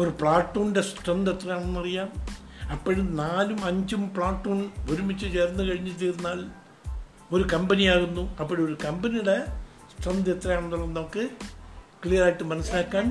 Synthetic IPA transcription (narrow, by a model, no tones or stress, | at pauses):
o̞ɾupɭaːʈːoːɳde̞sʈrɐnd̪et̪rɐjaːɳenːuɐrijaːm | ɐpːɐɽunaːlumɐɲd͡ʑumpɭaːʈːoːɳoɾumit͡ɕːɨt͡ɕe̞ːrnːɨkɐɻiɲːit͡ɕːeːɾunːaːl | o̞ɾukɐmbɐnijaːɣunːuɐpːoɽio̞ɾukɐmbɐnijuɽe̞ | sʈrɐnd̪et̪rɐjaːɳenːuɭːɐenːɐkːɨ | kɭijɐɾaːjiʈːɨmɐnɐsilaːkːaːm